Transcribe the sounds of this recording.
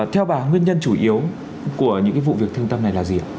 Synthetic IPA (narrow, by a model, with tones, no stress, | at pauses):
t̪ʰɛ˧wɓaː˨˩ŋwi˧ənɲə˧nt͡ɕu˧˩ʔi˨˦əw | ku˧˩əɲɨ̰˧˥ŋkaː˨˦v̰ṵ˧˨vi˨˩ək̚t̪ʰɨ˧əŋt̪ə˧mna˨˩jlaː˨˩zi˨˩ʔa̰ː˨˧